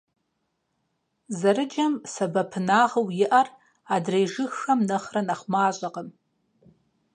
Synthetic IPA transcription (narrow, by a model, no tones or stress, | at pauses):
zaɾɨd͡ʒamsabapʰnaːʁɐwjɪʔar | adrejʐɨxːamnɨχranaχʷmaːɕʷʼaqʼəm